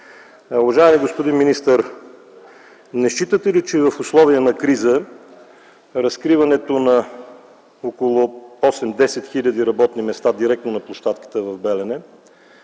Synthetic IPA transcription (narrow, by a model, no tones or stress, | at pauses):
ʊvɐʒaɛmiɡospod̪inminist̪əɾ | nɛʃt͡ʃit̪ət̪ɛlit͡ʃɛvɐfʊslˠɔviənɐkɾizə | ɾɐskɾivɐnɛt̪onɐ | okolˠoɔslɛmd̪ɛsɛt̪xiʎʲəd̪iɾɐbɔt̪nimɛst̪ad̪iɾɛk̚t̪nonɐplˠoʃt̪at̪kə̥t̪əvɐvbɛlɛnɛ